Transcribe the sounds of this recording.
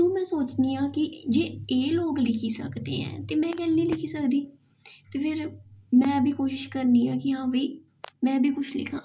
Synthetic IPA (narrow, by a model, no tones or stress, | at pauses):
t̪ũːmɛ̃ːsoːt͡ʃniːãːkɪd͡ʒeːeːloːɡlɪkʰiːsə̰kd̪ḛːɛ̰̃ːt̪eːmɛ̃ːkɛːlnĩːlɪkʰiːsəkd̪iː | t̪eːpʰɪɾmɛ̃ːbʱiːkoːʃɪʃkəɾniːãːkɪɦãːʋiː | mɛ̃ːbʱiːkʊt͡ʃʰlɪ̰kʰã̰ː